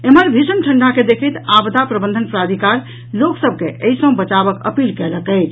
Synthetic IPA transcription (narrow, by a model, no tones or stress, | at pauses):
eməɾbʱid͡ʒənʈʰəɳɖaked̪ekʰət̪abd̪apɾəbənd̪ʱənpɾad̪ʱikaɾ | loksəb̚ʱkeʔəjsə̃bət͡ʃabəkə̰pilkɛləkət͡ʃʰ